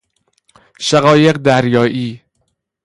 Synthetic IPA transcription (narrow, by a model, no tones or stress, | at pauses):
ʃæɣɒːje̞ɢd̪æɾjɒːʔiː